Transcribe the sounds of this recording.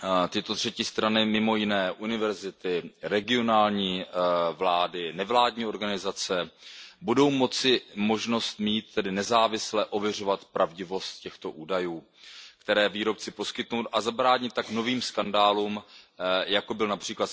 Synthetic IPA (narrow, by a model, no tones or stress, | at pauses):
t̪ɪt̪o̞t̪r̝̥ɛcɪst̪ɾanɪmɪmo̞jɪnɛːʔunɪvɛɾzɪt̪ɪɾɛɡɪo̞naːlɲiːvlaːdɪnɛvlaːdɲiːo̞ɾɡanɪzat͡sɛbudo̞wmo̞t͡sɪmo̞ʒno̞st̪miːt̪̚ːɛdɪnɛzaːvɪslɛʔo̞vjɛr̝o̞vat̪pɾʔavɟɪvo̞st̪̚cɛxt̪o̞ʔuːdajuː | kt̪ɛɾɛːviːɾo̞p̚t͡sɪpo̞skɪt̪nuwt̪ʔazabɾaːɲɪt̪ːakno̞viːmskandaːluːm | jako̞bɪlnapr̝̥iːklat̪